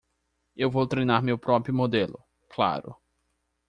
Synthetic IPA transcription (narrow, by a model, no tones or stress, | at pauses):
ewvowt̪ɾejnaɾmewpɾɔpɾjʊmod̪elʊ̰ | kla̰ɾʊ̰